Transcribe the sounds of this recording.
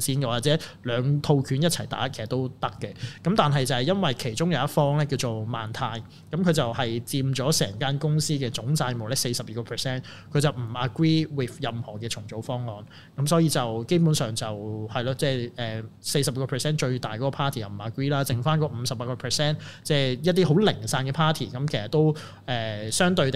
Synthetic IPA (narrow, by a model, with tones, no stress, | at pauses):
sʰiː˧˥nkɛ˧waː˨˩t͡sɛː˨˥lœː˨˧ŋt̪ʰo˧wkʰyː˨˥njɐ˥tt͡sʰɐ˨˩jt̪a̰ː˨˥kʰsɐ˨t̪o˥wt̪ɐ˥kːɛ˧kɐ˨˥mt̪aː˨nɦɐ˨jt͡sɐ˨˧hjɐ˥nwɐ˨jkʰe˨˩jt͡ʃʊ˥ŋjɐ˨˧wjɐ˥t̚fɔː˥ŋlɛː˥ki˧wt͡so˨wma̰ː˨˩nt̪ʰaː˧j | kɐ˨˦˥mkʰɵ˨˧ɥt͡sɐ˨whɐ˨jt͡siː˧mt͡sɔː˨˥sɛː˨˩ŋkaː˥nkʊ˥ŋsiː˥kɛː˧t͡sʊ˨˥ŋt͡saː˧jmo˨wlɛː˥se˧jsɐ˨p̚jiː˨˩kɔː˧pʰɛː˨˩sɛː˥n | kʰɵ˨˧ɥt͡sɐ˨wm̩˨˩ɐ˨kɹiː˥wɪ˨˩θjɐ˨mhɔː˨˩kɛː˧t͡ʃʰʊ˨˩ŋt͡so˨˥wfɔː˥ŋːɔː˨n | kɐ˨˥msɔː˨˥jiː˧t͡sɐ˨wke˥jpuː˨˥nsœː˨˩ŋt͡sɐ˨whɐ˨jlaː˧t͡sɛː˥˩ʔɛː˨se˧jsɐ˨p̚i˨kɔː˧pʰɛː˨˩sɛː˥nt͡ʃɵ˧ɥt̪aː˨˩jkɔː˨˧˥kɔː˧pʰaː˥t̪ʰiː˨˩jɐ˨˩wm̩˨˩aː˨kɹiː˥laː˥t͡sɪ˨˩ŋfaː˥nkɔː˧m̩˨˧sɐ˨p̚paː˧˥kɔː˧pʰɛ˨sɛː˥nt͡sɛː˥˩jɐt̚t̪iː˥ho˨˥wlɪ˨˩ŋsaː˧nkɛ˧pʰaː˥t̪ʰḭː˨˩kɐ˨˦mkʰjsɐ˨t̪o˥w | ʔɛː˨˩sœː˥ŋt̪ɵ˧ɥt̪